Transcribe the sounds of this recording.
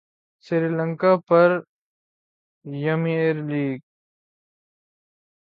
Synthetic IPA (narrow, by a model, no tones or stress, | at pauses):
siɾiːlɐ̃ŋkaːpɐɾ | jɐmieɾliːɡ̚